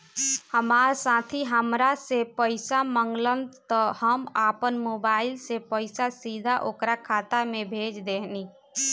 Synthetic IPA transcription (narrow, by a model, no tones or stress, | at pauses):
həmaːɾsãːt̪ʰiɦəmɾasepəɪsamə̃ŋɡlənd̪t̪ɔhəmaːpənmoːbaːɪlsepəɪsasiːd̪ʱaʔoːkɾakʰaːt̪amẽbʱeːd͡ʒd̪eːni